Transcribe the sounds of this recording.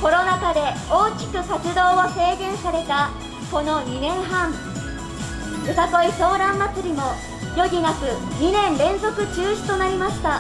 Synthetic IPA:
ko̞ɾo̞nakad̪e̞oːkʲi̥kɯ̟sat͡sɨd̪o̞ːβose̞ːɡẽ̞ɰ̃saɾe̞t̪a | ko̞no̞ɲ̟inẽ̞ɰ̃ɦãɴ | ɯsako̞iso̞ːɾãmːat͡sɨɾʲimo̞ | jo̞ɡʲinakɯ̟ɲ̟inẽ̞nɾẽ̞nzo̞kɯ̟t͡ɕɨːɕi̥t̪o̞naɾʲimaɕi̥t̪a

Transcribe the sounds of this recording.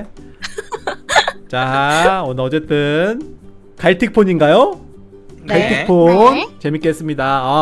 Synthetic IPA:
t͡ɕaʌnʌt͡ɕe̞t͈ɯn | kʰaitʰik̚pʰoɲinɡajo | kʰitʰik̚pʰont͡ɕe̞mik͈ees͈ɯmɲidaa

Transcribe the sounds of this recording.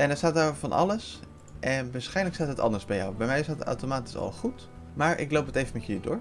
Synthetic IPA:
ʔɛnɛɹstaːt̚daːrovɑnʔɑ̰ləs | ʔɛnʋaːɹsχɛjnləkstaːtətɑ̰ndəɹzbɛja̰wbɛjmɛjsaːta̰wtomaːti̥sɑ̰lˠχut | maːɹʔɪ̰klowpɦətejvənmɛtəlidʊːɹ

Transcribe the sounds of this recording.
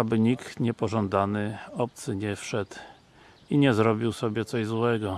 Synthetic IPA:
abɘɲikt̪ɲɛpɔʐɔnd̪anɘɔp̚t̪sɘɲɛfʂɛt̪ | iɲɛzɾɔbʲiwsɔbʲjɛt̪sɔʑzwɛɡɔ

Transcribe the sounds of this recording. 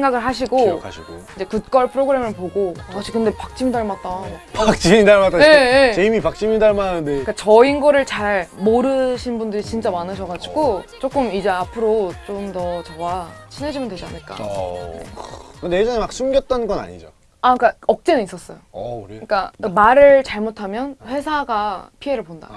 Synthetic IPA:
eŋɡaɡɯɭɦaɕ̬ʰiɡokʰaɕʰiɡoid͡ʑe̞kut̚k͈ʌɭpʰɯɾoɡɯɾe̞mɯɭpoɡoaɕʰikɯnde̞pak̚t͡ɕ͈imidaɭmat̚t͈aaɡopak̚t͡ɕ͈imidaɭmat͈aeet͡ɕeimipak̚t͡ɕ͈imidaɭmananɯndeik͈at͡ɕʌinɡʌɾɯɭt͡ɕaɭmoɾɯɕʰinbundɯɾit͡ɕint͡ɕ͈amanɯɕʰʌɡad͡ʑiɡot͡ɕ͈ok͈ɯmid͡ʑe̞apʰɯɾot͡ɕ͈omtʌt͡ɕʌwat͡ɕʰine̞d͡ʑimjʌndwe̞d͡ʑia̰nɯɭk͈a̰ekɯndejed͡ʑʌnemak̚s͈ʰumɡjʌt̚t͈ʌnɡʌna̰ɲḭd͡ʑo̰ | ak͈aʌk̚t͡ɕ͈enɯnis͈ʌs͈ʌjouɾɯɲik͈amaɾɯɭt͡ɕaɭmotʰamjʌnɸwe̞sʰaɡapʰie̞ɾɯɭponda̰

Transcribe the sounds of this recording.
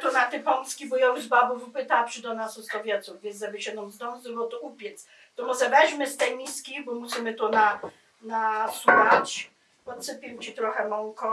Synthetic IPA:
t̪ɔnat̪ɪpɔnskʲibɔjɔwzbabuvupɘt̪apʂɨd̪ɔnasust̪ɔvʲjɛt̪suvvʲjɛnzʒɛbʲɛɕɛd̪ɔnzd̪ɔnzd̪ɔbɔt̪uʔupʲjɛt̪s | t̪ɔmɔʐɛvɛɕmɘst̪ɛjmʲiskʲibɔmusimɘt̪ɔna | nasuxat͡ɕ | pɔt̪sɘpʲiwt͡ɕit̪ɾɔxɛmɔŋkɔ

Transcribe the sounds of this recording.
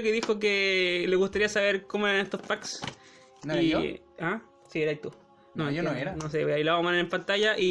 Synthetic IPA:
keðixok̬eleɣust̪aɾiasaβeɾkomoeɾanest̪ospaks | nio | a | sieɾait̪u | nojonoeɾanos̬eweajlaaamaneɾempant̪ajaʔi

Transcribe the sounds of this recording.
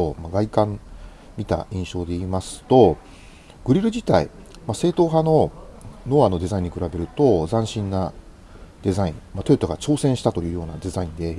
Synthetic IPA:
omaɡaikãm | mʲit̪a̰ĩɰ̃ɕo̞ːd̪e̞iːmasɨ̥t̪o̞ | ɡ̥ɯ̟ɾʲiɾɯ̟d͡ʑit̪aḭ | mase̞ːt̪o̞ːɦano̞no̞ano̞d̪e̞zaĩɲ̟ːikɯ̟ɾabe̞ɾɯ̟t̪o̞zãɕĩnːa | d̪̥e̞zaĩŋmat̪o̞it̪oɡat͡ɕo̞ːsẽ̞ɰ̃ɕi̥t̪at̪o̞jɯ̟ːjo̞ːnad̪e̞zaĩnd̪e̞

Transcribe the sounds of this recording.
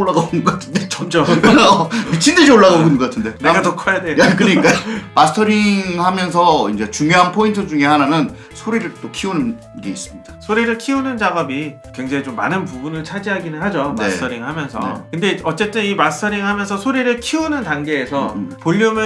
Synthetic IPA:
oɭːaɡaoɡʌkatʰɯ̥ndet͡ɕʌmd͡ʑo | t͡ɕʰinded͡ʑioɭːaɣanɡʌk͈atʰɯnde̞neɡanokʰajadwekɯk͈amasʰɯ̥tʰʌɾiŋŋhamjʌns̬ʰʌind͡ʑe̞t͡ɕuŋjoɦanpʰointʰɯd͡ʑuŋe̞hananjɯn | sʰoɾiɾɯɭt͈okʰiunɯn | ɡe̞̰is͈ɯmɲid̥asʰoɾiɾɯɭkʰiunɯnd͡ʑaɡʌbi | kwe̞ŋd͡ʑaɦit͡ɕomːa̰nɯnpubunɯɭt͡ɕʰad͡ʑiɦaɡinɯnhad͡ʑonmaestʰʌɾiŋhamjʌnsʰʌ̰kɯnde̞ʌt͡ɕ͈e̞t͈ɯnimasɯ̥tʰʌɾiŋɦamjʌnsʰʌsʰoɾiɾɯɭkʰiunɯntaŋɡe̞ːsʰʌpoʎːumɯ

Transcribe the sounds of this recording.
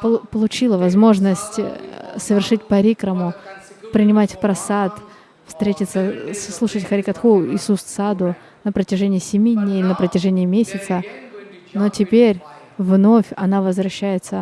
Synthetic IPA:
ppəlˠʊt͡ɕilˠəvɐzmo̞ʐnəsʲtʲsəvʲɪrʂɨtʲpɐɾʲikɾəmʊ | pɾʲɪnʲɪmatʲpɾɐsat̪ | fst̪ɾʲetʲɪt̪səsslˠuʂətʲxəɾʲɪkɐt̪xuɪsust̪sad̪ʊ | nəpɾətʲɪʐɛnʲɪjəsʲɪmʲidʲnʲejlʲɪnəpɾətʲɪʐɛnʲɪjəmʲesʲɪt̪sə | notʲɪpʲeɾʲ | vno̞fʲɐnavəzvɾɐɕːæjɪt̪sə

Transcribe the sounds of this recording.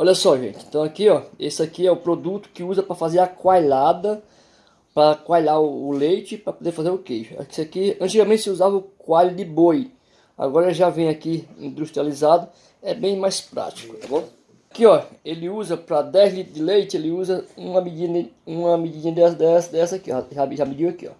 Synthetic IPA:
ɔʎɐsɔʒḛ̃nt͡ʃ̪ɪẽnt̪ɐ̃w̃akiɔesɪakiɛʊpɾod̪ut̪ʊ̥kɪuzɐpɾɐfazeɾɐkwajlad̪ɐ | pɾɐkwajlaɾʊːlejt͡ʃɪpɾɐpod̪eɾfazeɾʊkejʃʊa̰sɪakiɐ̃t͡ʃiɡamẽt̪ɪsɪuzavɐʊkwajlʊd̪ɪboj | a̰ɡɔɾɐʒavẽj̃akiḭ̃nd̪uʃt̪ɾializad̪ʊ | ɛbẽj̃majspɾa̰t͡ʃi̥kʊ̥t̪aɡõ | akiɔelɪuzɐpɾɐd̪ɛjzlit̪ɾʊd̪ɪlejt͡ʃɪelɪuzɐũɐmid͡ʒĩnũɐmid͡ʒĩɲɐd̪ɛsɐd̪ɛsɐd̪ɛsɐakiaʒaʒamid͡ʒiwakiɔ̰

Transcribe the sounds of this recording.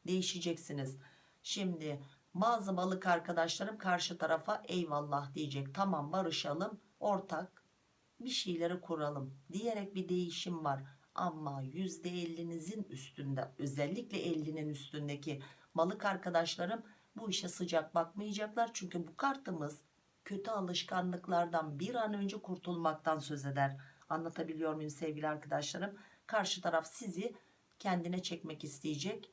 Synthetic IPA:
d̪e̞jiʃid͡ʒɛcsiniz̥ | ʃimd̪ɪ | baːzɯbalˠɯkaɾkad̪aʃlˠaɾɯmkʰaɾʃɯt̪ʰaɾafaʔɛjvalˠːahd̪ijed͡ʒɛc̚t̪ʰamambaɾɯʃalˠɯm | o̞ɾt̪ʰak̚ | biʃejlʲe̞ɾɛkʰuɾualˠɯmd̪ijeɾɛc̚bid̪e̞jiʃimvaɾa̰mːajyzd̪ɛɛlʲːinizinyst̪ʰynd̪ɛø̞zɛlʲːiclʲɛʔɛlʲːininyst̪ʰynd̪ecʰi | malˠɯkaɾkʰad̪aʃlˠaɾɯm | buiʃɛsɯd͡ʒak̚bakmɯjad͡ʒaklˠaɾt͡ʃʰyɲcybukʰaɾt̪ʰɯmɯz̥ | cʰø̞t̪ʰyalˠɯʃkʰanlˠɯklˠaɾd̪anbiɾanø̞nd͡ʒɛkʰuɾt̪ʰulˠmak̚t̪ʰansø̞ze̞d̪æɾanlˠat̪ʰabilʲijo̞ɾmujimsɛvɡɟʲilʲiaɾkʰad̪aʃlˠaɾɯmkʰaɾʃɯt̪ʰaɾafsizɪ | cʰɛnd̪inɛt͡ʃʰɛcmɛcist̪ʰijid͡ʒɛc

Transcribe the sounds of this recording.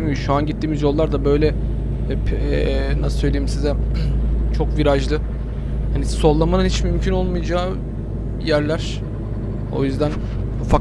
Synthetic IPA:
myjʃuanɟit̪ʰːiːmizjo̞lˠːaɾd̪abø̞jlʲɛ | pː | nasɯ̥lølʲieimsizɛ | t͡ʃʰo̞kviɾaʒlˠɯ | haniso̞lˠːamanɯnhit͡ʃmymcʰyno̞lˠmujd͡ʒaː | jæɾlʲæɾ̥ | o̞̰jyzd̪æn | ufa

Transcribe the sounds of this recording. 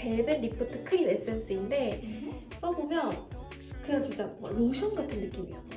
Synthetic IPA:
pe̞ɭbenːipʰotʰɯkʰɯɡimaɭs͈ɯns͈uinde̞ | ʌbomjʌn | kɯɾʌt͡ɕint͡ɕ͈aʌ̰ɾoɕʰʌnɡatʰɯnːɯk͈imio

